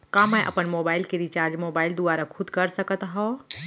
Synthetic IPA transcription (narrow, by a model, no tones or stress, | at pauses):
kãmə̃ʔɐ̰pənmoːbaːɪlkeɾit͡ʃaːɾd͡ʒmoːbaːɪld̪uaːɾakʰʊd̪kəɾsəkət̪ɦɔː